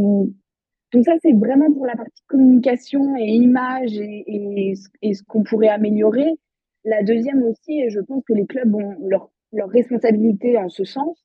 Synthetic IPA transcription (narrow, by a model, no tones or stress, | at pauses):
d̪̥ɔ̃ksasɛvʁɛmɑ̃puʁlapaʁt̪i̥kɔmynikasjɔ̃eimaʒesəːsə̥kɔ̃puʁɛameljɔʁe | lad̪øzjɛmosieʒəpɑ̃skəleklœbɔ̃lœʁ | lœʁːɛspɔ̃sabilit̪easəsɑ̃s